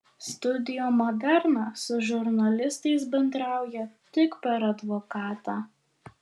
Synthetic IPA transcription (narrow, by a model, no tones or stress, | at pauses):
st̪ʊd̪ʲɪjoːmɔd̪ʲɛɾnɑːsʊʒʲʊɾnɐlʲɪst̪ɐɪs̬bʲɛnd̪ɾɑˑʊjɛt̪ʲɪkpʲɛɾɐd̪ʋoːkɑːt̪ɑː